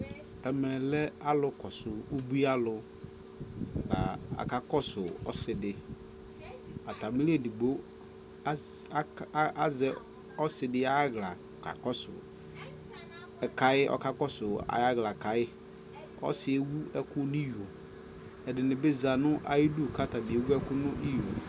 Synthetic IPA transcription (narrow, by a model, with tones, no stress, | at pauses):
ɛ˨mɛ˨lɛ˦a˦lʊ˨kɔ˨sʊ˨u˦bu˦a˦lʊ˨ | la̰˨a̰˨ka˦kɔ˦sʊ˨ɔ̰˦sɪ˨dɪ˨ | a˨t̪a˨mɪ˦li˦e˦˨di˨ɡ͡bo˦ | a˦zɛ˨ | ɔ˦sɪ˨dɪ˦a˦ɡla˨ka̰˨kɔ˦sʊ̰˨ | ɛ˨ka˨ɪ˦ʔɔ̰˨ka˦kɔ˦sʊ˨a̰˨ja˦ɣla˨ka˨ɪ˦ | ɔ̰˦sɪ˨e˦wu˦ɛ˦kʊ˦nʊ˦ju˨o˨ | ɛ˨dɪ˨nɪ̃˨be˦za˨nʊ̃˦ʔa̰˨jɪ˦du˦˨ka˦ta˨bɪ˨e˨wu˦ɛ˦kʊ˦nʊ̃˦ʔi˦jo˨